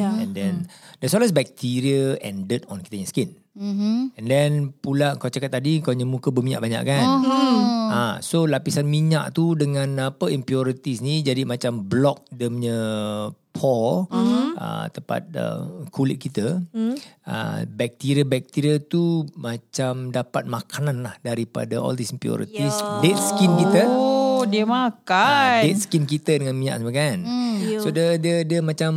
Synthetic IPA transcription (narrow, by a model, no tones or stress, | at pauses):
ɛ̃ndɛndɛsɔlas̬bɛk̚t̪iɾiəɛ̰ndət̪ɔnkit̪əɲaskɪn | ɛndɛnpulaəŋkawt͡ʃakat̪̚ːadiəŋkaɲəmũkəbəmiɲaʔbaɲa̰ʔkan | asolapisanmiɲaʔt̪udəŋãnapəimpiɔɾit̪isnid͡ʒadimat͡ʃamblɔk̚dəmɲə | pʰɔl | ə̰t̪əpa̰t̪̚ə̰kʰulɪt̪̚kit̪ə | ə̰bɛk̚t̪iɾiəbɛk̚t̪iɾiət̪umat͡ʃamdapat̪̚makʰananlahdaɾipa̰daɔ̰ldisimpjɔ̰ɾḭt̪isdet̪̚skinkit̪ədiəmakadet̪̚skinkit̪ədəŋãnmiɲã̰ʔsəmaɡansodədiədəmãt͡ʃam